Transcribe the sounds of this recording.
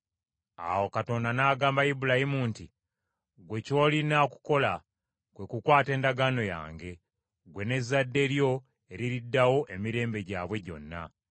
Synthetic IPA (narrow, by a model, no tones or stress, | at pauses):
a̰wo̞kato̞ndanaːɡaːmbajibulahimunti | ɡwe̞co̞ːlinaku̥ko̞la | kwe̞kukwaːte̞ːndaɡano̞ja̰ːŋɡe̞ | ɡwe̞ne̞zːadːe̞ɾjo̞ | e̞ɾiɾidːawo̞ʔe̞miɾe̞ːmbe̞ɟaːβwe̞ɟo̞̰nːa̰